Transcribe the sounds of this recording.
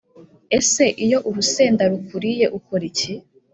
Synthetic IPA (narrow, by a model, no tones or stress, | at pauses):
ese̞ʔijo̞ʔuɾuse̞ːndaɾukuɾije̞ʔukoɾici